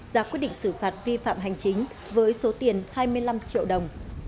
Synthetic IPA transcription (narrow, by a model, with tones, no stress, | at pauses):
zaː˨˩kwi˦˥t̚ɗḭ˧˨ŋsɨ˧˩faː˨˩t̚vi˧fa̰ː˧˨mɦa˨˩jŋ̟t͡ɕï˨˦ŋ̟ | vəː˨˦jso˨˦t̪i˨˩ənhaː˧jmɨ˧əjla˧mt͡ɕḭ˧˨əwɗə˨˩wŋ͡m